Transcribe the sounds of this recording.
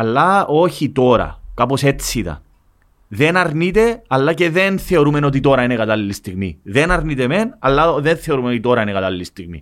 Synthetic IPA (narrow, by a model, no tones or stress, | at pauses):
ɐlːɐo̞çit̪o̞ɾɐ̰kɐpo̞se̞t͡sːiðɐ̰ | ðe̞nɐɾnit̪e̞ɐlːɐce̞ðenθeo̞ɾume̞no̞t̪̬it̪o̞ɾɐinekɐt̪ɐlːist̪iɣmḭðenɐɾnit̪eme̞nɐlːɐðenθe̞o̞ɾumeot̪it̪o̞ɾɐine̞kɐt̪ɐliːist̪iɣmḭ